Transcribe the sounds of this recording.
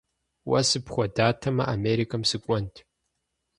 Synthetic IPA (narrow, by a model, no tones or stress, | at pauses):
wɐ̰sɨpχʷɔdaːtʰɐmɐ̰ʔameːɾikʰɐmsɨkʷʼɔntʰ